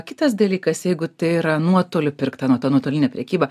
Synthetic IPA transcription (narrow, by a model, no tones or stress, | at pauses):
kʲɪt̪ɐs̬d̪ɐlʲiːkɐsjɛɪɡʊt̪ɐɪiɾɐnuɔt̪oːlʲʊpʲɪrkt̪ɐnuɔt̪ɑːnuɔt̪oːlʲɪnʲɛpʲɾʲɛkʲiːbɐ